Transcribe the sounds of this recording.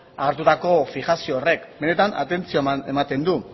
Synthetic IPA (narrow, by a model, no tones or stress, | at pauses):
aɾt̪ut̪ako̞fiɣasioːre̞kbe̞ne̞t̪ana̰t̪e̞nt͡sioemat̪e̞nd̪u